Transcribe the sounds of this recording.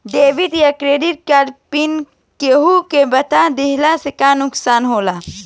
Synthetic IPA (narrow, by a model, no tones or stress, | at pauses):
ɖeːʋɪʈjakɾeːɖɪʈ̚kaːɾɖpɪn | keːɦukebɐt̪ad̪ɪɦlasekanʊksaːnɦoːlaː